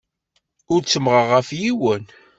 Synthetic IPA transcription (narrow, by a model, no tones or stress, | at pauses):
ʊɾt͡sːəmʁəʁːəfjiwən